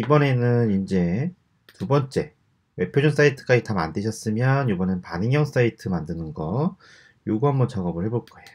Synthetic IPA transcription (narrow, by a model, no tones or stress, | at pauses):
ibʌne̞nɯnind͡ʑe̞ | tubʌnt͡ɕ͈e̞ | we̞pʰjod͡ʑuns͈aitʰɯ̥k͈ad͡ʑitama̰ndɯɕʰʌs͈ɯmjʌnjobʌnenɯnpanɯŋjʌŋs͈aitʰɯmandɯnɯnɡʌ | joɡuɦambʌnt͡ɕʌɡʌbɯɭhe̞boɭk͈ʌejo